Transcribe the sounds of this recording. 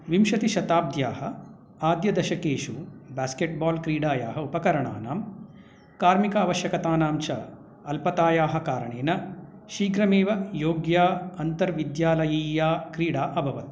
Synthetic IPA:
ʋimʃɐt̪iʃɐt̪aːb̚d̪ʱjaːhɐ | aːd̪jɐd̪ɐʃɐkeːʃubaːskeʈ̚baːlkɾiːɽaːja̰ːɦɐupɐkɐɾɐɳa̰ːna̰ːm | kaːɾmikaːʋɐʃjɐkɐt̪aːnaːmt͡ʃɐ | ɐlpɐt̪aːjaːɦɐkaːɾɐɳeːnɐ | ʃiːɡɾɐmeːʋɐjoːɡjaːɐnt̪ɐɾʋid̪jaːlɐjiːjaːkɾiːɽaːʔɐbʱɐʋɐt̪̚

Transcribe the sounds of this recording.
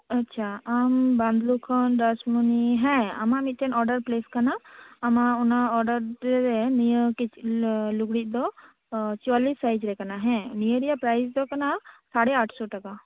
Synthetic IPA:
ɐtːt͡ʃʰaambãnd̪lukʰənɖasmuniɦɛ̃a̰mamit̪̚t̪ɛnɔɾɖəɾpleskanaːmaunaɔɾɖəɾɾenijəkit͡ʃluɡɽit̪̚d̪ɔ | t͡ʃualisːajd͡ʒɾɛkanaɦɛ̃nijəɾijapɾajsd̪ɔkanasaɽɛaʈʰsɔʈəka

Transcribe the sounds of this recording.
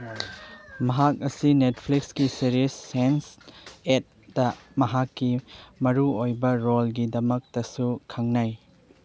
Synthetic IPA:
mɐɦak̚ɐsinet̚pʰliksɡisiɾisːenset̚d̥ɐmɐɦakːimɐɾuojbɐɾolɡidɐmɐk̚tɐsukʰɐŋnaj

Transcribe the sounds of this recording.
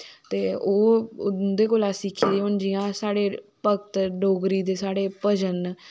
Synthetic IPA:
t̪eːoːd̪eːkoːlaːsɪkʰːiːleond͡ʒijãːsaːɽeːpəkt̪ɖoːɡɾiːd̪eːsaːɽeːpəd͡ʒən

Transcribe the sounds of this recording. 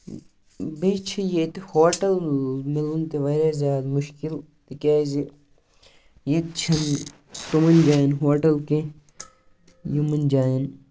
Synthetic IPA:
bit͡ʃʰijet̪ehoːʈɐlmilunt̪eʋɐɾazjaːd̪mʊʃkilt̪ikaːzi | jit̪t͡ʃʰɐn | t̪umɐnd͡ʒaːjinɦoːʈɐlkẽ | jimɐnd͡ʒaːin

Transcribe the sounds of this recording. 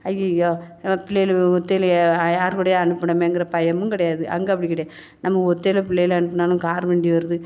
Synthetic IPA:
ɐjɐjoːnɐmːɐpɪlːɐjɪlɔt̪ːeljaːɾkɯɽɐjeɐɳɯpːɐɳɐmeːŋɡɪɾɐpɐjɐmɯŋkɪɽɐjaːðɯʔɐ̰ŋɡɐɐpːɐɽikːɪɽɐjẽ | nɐmːɐɔt̪ːeːlɐpɪlːɐjlɐɳɯpːɐnaːlɯ̃kaːɾʋeːɳɖiʋɐɾɐðɯ

